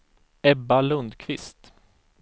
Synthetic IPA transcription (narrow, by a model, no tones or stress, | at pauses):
ɛbːalɵnd̪kʰvɪst̪